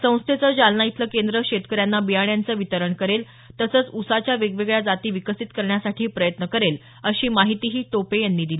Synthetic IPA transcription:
sə̃w̃st̪ʰet͡səd͡ʑalnait̪ləkend̪ɾəkɕet̪kəɾjanːabijaɳjant͡səːʋit̪əɾəɳkəɾel | t̪əsəːt͡susat͡ɕjaʋeɡʋeɡɭjad͡zat̪iːʋikəsit̪kəɾɳjasaʈʰiːpɾəjət̪nəkəɾel | əɕiːmaɦit̪iːɦiːt̪opejanːiːd̪iliː

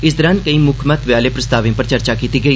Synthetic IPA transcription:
ɪs̬d̪əɾãːnkəiːmʊkʰmət̪ʋjaːleːpɾəst̪aːʋĩpəɾt͡ʃəɾt͡ʃaːkiːt̪iːɡəiː

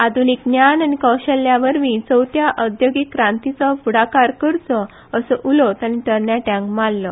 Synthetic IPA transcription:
ad̪ʱunik̚njananikɔwɕəljaʋəɾmit͡səwt̪jaʔəd̪joɡikːɾãnt̪it͡səfuɽakaɾkəɾt͡sɔ | əsəʔulɔt̪aniʈəɾɳjaʈãŋkmalːɔ

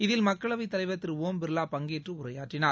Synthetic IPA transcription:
ɪðɪlmɐkːɐɭɐʋɐɪt̪ːɐlɐɪʋɐt̪ːɪɾoːmbɪɾɯlaːpɐŋɡeːʈrɯʊrɐjaːʈrɪnaː

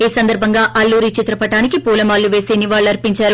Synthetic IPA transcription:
iːsɐnd̪ɐɾbʱɐŋɡaːʔɐlːuːɾit͡ʃit̪ɾɐpɐʈaːnikipuːlɐmaːlːuʋe̞ːseːniʋaːɭːɐɾpiɲt͡ʃaːɾu

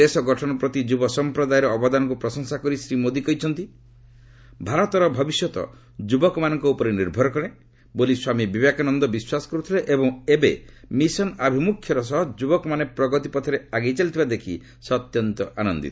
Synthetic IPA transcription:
esɔɡɔʈʰɔnɔpɾɔt̪id͡ʒubɔsɔmpɾɔd̪ajeɾɔːbɔd̪anɔk̬upɾɔsɔŋsakɔɾisɾimod̪ikɔjt͡ʃʰɔnt̪i | bʱaɾɔt̪ɔɾɔbʱɔbisjɔt̪ɔ̰ | d͡ʒubɔkɔmanɔŋkɔupɔɾeniɾbʱɔɾɔkɔɽ̃e | boliswamibibjakanɔnd̪ɔbiswasɔ̥kɔɾut̪ʰiɾeʔebɔŋebemisɔnabʱimukʰjɔɾɔs̬ɔɦɔd͡ʒubɔkɔmanepɾɔɡɔt̪ipɔt̪ʰɔɾeaɡejt͡ʃalit̪ʰibad̪ekʰi | sɔt̪jɔnt̪ɔʔanɔnd̪ḭt̪ɔ̥

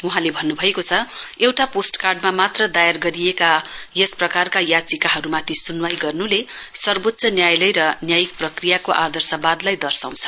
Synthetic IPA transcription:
uɦãlebʱʌnːubʱʌekot͡sʰʌewʈaposʈkarɖmamat̪rʌd̪ajarɡʌɾijekajesprʌkarkajat͡sikaɦʌɾumat̪ʰisunwajɡʌrnulesʌrbot̪ːsʌnjajlʌjɾʌnjajik̚prʌkrijakoʔad̪ʌrsʌbad̪lajd̪ʌrsaw̃t͡sʰʌ̥

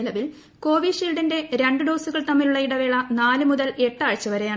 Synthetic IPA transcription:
lɐʋil | ko̞ːʋiːʂilɖɐnde̞ɾe̞ɳɖɨɖo̞ːsuɣɐɭt̪ɐmːiluɭːɐiɽɐʋeːɭɐnaːlɨmuðɐle̞ʈːaːɻt͡ɕːɐʋɐɾe̞jaːɳ

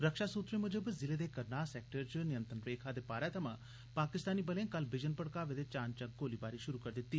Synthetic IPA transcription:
ɾəkʃaːsuːt̪ɾẽːmʊd͡ʒəbzɪleːd̪eːkəɾnaːsɛːk̚ʈəɾt͡ʃnɪjə̃nt̪ənɾeːkʰaːd̪eːpaːɾɛːt̪əmãː | paːkɪst̪aːniːbəlẽãkəlbɪd͡ʒənpəɽkaːʋeːd̪eːt͡ʃaːnt͡ʃãɡoːliːbaːɾiːʃʊɾuːkəɾd̪ɪt̪ːiː

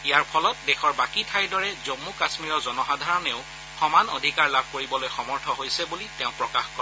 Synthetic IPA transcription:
ijaɹpʰɔlɔt̚dɛxɔɹbakitʰajdɔɹɛzomːukasmiɹɔzɔnɔxadʱaɹɔneʊ | xɔmano̰dʱikaɹlab̚ʱkoɹibɔlojxɔmɔɹtʰɔɦojsɛbulitɛʊ̃pɹɔkaxkɔɹɛ

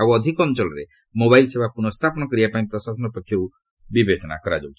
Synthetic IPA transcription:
abuɔd̪ʱikɔnt͡ʃɔlɔɾe | mobailsebʱapuɾnɔst̪ʰapɔnɔkɔɾiapaĩpɾɔsasɔnɔpɔkʰjɔu | bibet͡ʃɔna̰kɔɾad͡ʒɔbt͡ʃi̥

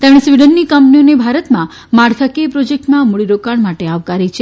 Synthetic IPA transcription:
t̪aɽ̃esʋiɖənːikəmpnionebʱaɾət̪mã | maɽkʰakepɾɔd͡ʒek̚ʈmãmuɭiɾokaɳmaʈeaʋkaɾit͡ʃʰe

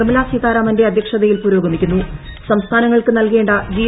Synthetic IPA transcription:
ɐmɐlaːsit̪aːɾaːmɐnde̞ɐd̪ʱjɐkʂɐðɐjilpuːɾo̞ːɡɐmikʲːunːusɐmst̪ʰaːnɐŋːɐɭkɨnɐlkeːɳɖɐd͡ʑiː

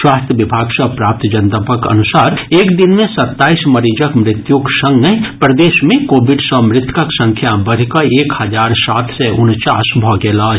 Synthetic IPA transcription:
ʃwaːst̪ʰjəʋɪbʱaːɡsɐpɾaːp̚t̪d͡ʒɐnt̪əpəkɐ̰nʊsaːɾeːkd̪ɪnmẽsɐt̪ːaːismɐɾid͡ʒəkmɾɪt̪juksɐ̃ŋɡəɦpɾɐd̪eːʃmẽkoːbɪɖsəmɾɪt̪ʰkəksɐ̃ŋkʰjabɐɾ̤ikɐeːkhɐd͡ʒaːɾsaːt̪ʰsɛʔʊnt͡ʃaːsbʱɔɡeːlaː

